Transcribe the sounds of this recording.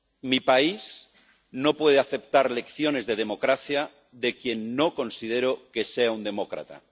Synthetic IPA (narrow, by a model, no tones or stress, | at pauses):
mipaiz | no̞pwe̞ðeaθe̞p̚t̪aɾle̞kθjo̞ne̞zðe̞ð̞e̞mo̞kɾaθja | ðe̞kje̞nːoko̞nsið̞eɾoke̞seaund̪e̞mokɾa̰t̪a̰